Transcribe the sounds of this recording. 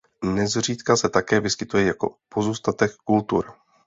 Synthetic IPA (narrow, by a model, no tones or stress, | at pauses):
nɛzr̝iːt̪kasɛt̪akɛːvɪskɪt̪ujɛjako̞̰po̞zuːst̪at̪ɛkːult̪ṵɾ